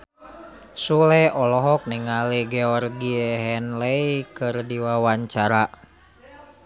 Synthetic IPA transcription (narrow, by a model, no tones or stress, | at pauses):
sulɛʔɔlɔɦɔk̚niŋaleɡɛɔrɡiɛɦɛnlɛikɨrdiwawaɲt͡ʃaɾa